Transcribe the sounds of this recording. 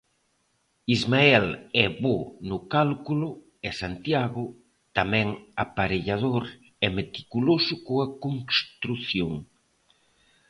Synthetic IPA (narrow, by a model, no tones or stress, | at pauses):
izmaɛlɛβonʊkalkulʊ | ɛsant̪jaɣʊ | t̪amɛ̃ŋapaɾeʎað̞oɾ | ɛmet̪i̥kulosʊkoakoŋst̪ɾuθjoŋ